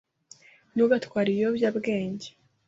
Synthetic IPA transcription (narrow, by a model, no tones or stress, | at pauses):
nuɡatwaːɾijobjabɡe̞ːɲɟe